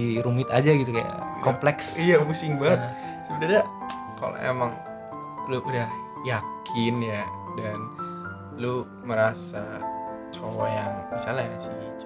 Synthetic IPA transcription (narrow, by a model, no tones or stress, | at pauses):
iɾumɪt̪ad͡ʒaɡit̪ukaja̰kɔmplɛksijamusɪŋbaət̪ | sibədada | ka̰lo̰ʔḛmaŋ | luʔudah | jakʰɪnja | dan | lu | məɾasat͡ʃowajaŋmisalajasi